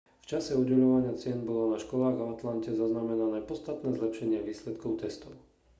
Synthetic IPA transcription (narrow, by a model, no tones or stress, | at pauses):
ft͡ʃasɛuɟɛʎɔʋaɲɪat͡sɪɛnbɔlɔnaʃkɔlaːɣaat̪lancɛzaznamɛnanɛːpɔt̪t͡sst̪at̪nɛːzlɛpʃɛɲɪɛʋiːslɛt̪kɔʊt̪ɛst̪ɔʊ